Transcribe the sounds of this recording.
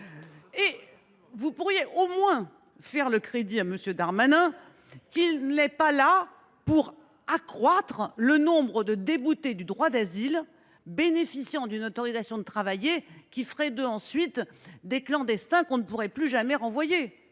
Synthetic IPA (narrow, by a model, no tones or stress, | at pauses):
e | vupuʁjeʔomwɛ̃ | fɛʁləkχed̪iaməsjød̪aʁmanɛ̃ | kilnɛpala | puʁ | akχwat̪χlənɔ̃bʁəd̪əd̪ebut̪ed̪yd̪ʁwad̪azil | benefisjɑ̃d̪ynot̪ɔʁizasjɔ̃d̪ət̪χavajekʲifəʁɛd̪øɑ̃sɥit̪d̪eklɑ̃d̪ɛst̪ɛ̃kɔ̃nəpuʁɛplyʒamɛʁɑ̃vwaje